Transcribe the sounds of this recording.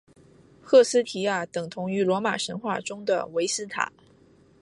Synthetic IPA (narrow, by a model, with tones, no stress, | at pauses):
xʰɤ˥˩sɹ̩˥t̪ʰi˨˥ja˥˩t̪ɤ˨˩ŋt̪ʰʊ˧˥ŋy˧˥lwɔ˧˥ma˨˩ʂə˧˥nxwa˥˩ʈ͡ʂʊ˥ŋd̪ə̰˨we˧˥ɪsɹ̩˥˩t̪ʰa̰˨˩˦